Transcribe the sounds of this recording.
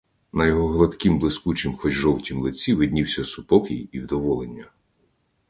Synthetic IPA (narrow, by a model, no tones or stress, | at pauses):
nɐjɔɦɔɦlˠɐt̪kimblˠɪskut͡ʃɪmxɔt͡ʃʒɔwtʲimlˠɪt͡sʲiʋɪd̪ʲnʲiwsʲɐsʊpɔkɪjiwd̪ɔʋɔlˠenʲːɐ